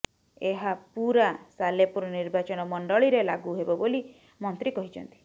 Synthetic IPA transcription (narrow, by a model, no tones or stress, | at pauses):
eɦapuɾasalepuɾɔniɾbat͡ʃɔnɔmɔɳɖɔɭiɾelaɡuɦebɔboli | mɔnt̪ɾikɔɦit͡ʃʰɔnt̪i̥